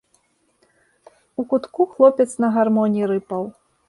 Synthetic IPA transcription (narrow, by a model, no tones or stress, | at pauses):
ukut̪kuxlˠɔpʲɛt̪snɐɣarmɔnʲiɾɨpɐw